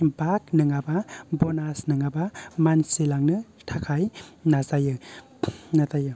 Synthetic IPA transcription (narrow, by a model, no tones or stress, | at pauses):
bak̚nɯŋababɔnasnɯŋabamansilaŋnɯtʰakʰajnazajɯ | natajɯ